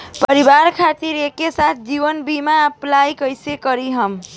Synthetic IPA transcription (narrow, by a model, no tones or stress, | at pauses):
pəəɾibaɾkʰat̪iɾekesat̪̚ʰd͡ʒibənbimaəplajkəjsekʌɾiɦəm